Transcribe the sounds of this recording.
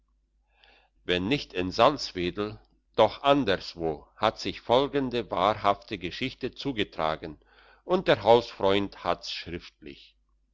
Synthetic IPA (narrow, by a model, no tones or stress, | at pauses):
vɛnːɪçtɪnzalt͡sv̥eːdl̩ | d̥ɔχʔandəɐsv̥oːhatz̥ɪçfɔlɡəndəva̰ːʁhaftəɡəʃɪçtət͡suːɡətʁ̥a̰ːɡn̩ | ʔʊnt̚d̥eːɐɦaʊsfʁ̥ɔʏnthatsʃʁ̥ɪftlɪ̰ç